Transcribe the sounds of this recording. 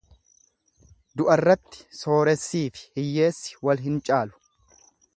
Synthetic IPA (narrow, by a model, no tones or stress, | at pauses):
d̪ʊʔɐrːɐt̪ːɪ̥so̞ːɾɛsːiːfɪ̥hɪjːe̞ːsːɪ̥wɐlɦɪnt͡ʃʼaːlʊ̥